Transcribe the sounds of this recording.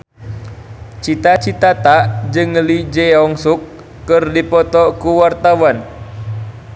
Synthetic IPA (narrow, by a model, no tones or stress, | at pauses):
t͡ʃit̪at͡ʃit̪at̪ad͡ʒɨŋlid͡ʒɛɔŋsukː | ɨrdipɔt̪ɔkuwart̪awan